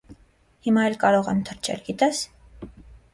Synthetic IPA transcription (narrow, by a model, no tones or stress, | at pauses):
himɑɛlkɑɾɔʁɛ̰mt̪ʰəɾt͡ʃʰɛ̰lɡit̪ɛs